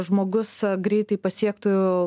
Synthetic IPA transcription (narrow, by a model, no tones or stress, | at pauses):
ʒmoːɡʊsɡɾʲɛɪt̪ɐɪpɐsʲiɛkt̪oːjʊ